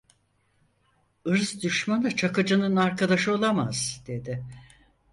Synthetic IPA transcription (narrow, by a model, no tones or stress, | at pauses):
ɯɾzd̪yʃmanɯt͡ʃʰakɯd͡ʒɯnɯnaɾkʰad̪aʃɯo̞lˠamaz̥d̪̥e̞d̪ɪ